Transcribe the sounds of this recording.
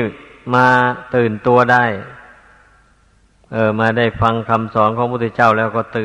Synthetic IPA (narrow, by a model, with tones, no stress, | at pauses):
maː˧t̪ɯː˨˩nt̪u˧ɐdaː˥˩j | ʔɤː˧˩maː˧da˥˩jkfʰa˧ŋkʰa˧msɔː˩˦nkʰɔː˧˦ŋpʰuː˧˥˩t̪ʰɛ˧˥˩t͡ɕa˥˩wlɛː˧˩wkɔː˧˩t̪ɯː˨˩